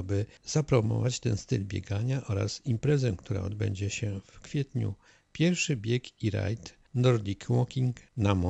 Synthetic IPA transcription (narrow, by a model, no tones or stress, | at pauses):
bɘzapɾɔmɔ̰vat͡ɕt̪ɛnst̪ɘlbʲjḛɡaɲaʔɔɾa̰simpɾɛzɛkt̪uɾa̰ɔd̪bɛ̰ɲd͡ʑɛɕɛfkfʲjɛt̪ɲṵ | pʲjɛɾfʂɘbʲjɛkiɾa̰jt̪ | nɔɾd̪ʲikwɔkʲiŋknamɔ